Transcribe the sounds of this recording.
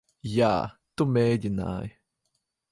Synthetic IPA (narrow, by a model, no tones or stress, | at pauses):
ja̰t̪umedina̰j